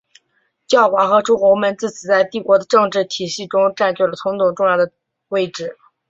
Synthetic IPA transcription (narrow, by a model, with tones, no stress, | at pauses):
t͡ɕjɑ˥˩ʊxwa˧˥xɤ˧˥ʈ͡ʂu˥kwɔ˧˥mə˧˥nt͡sɹ̩˥˩t͡ɕi˨˩t͡sa˥˧ɪt̪i˥˩kwɔ˧˥d̪ə˧ʈ͡ʂɤ˥˧ŋʈ͡ʂɻ̩˥˩t̪ʰi˨˩ɕi˥˩ʈ͡ʂʊ˥ŋʈ͡ʂa˥˧nt͡ɕɛ˥˩lə˩t̪ʰʊ˧˥ŋt̪ʰʊ˨˩ŋʈ͡ʂʊ˥˧ŋjɑ˥˩d̪ə˩ | we˥˧ɪʈ͡ʂɻ̩˥˩